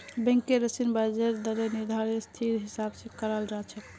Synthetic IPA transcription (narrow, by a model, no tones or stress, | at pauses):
bɛ̃ŋkeɾəsinbad͡ʒeɾd̪əɾeniɾd̪ʱaɾest̪ʰiɾɦisabsẽkəɾəld͡ʒaɦt͡ʃʰɛ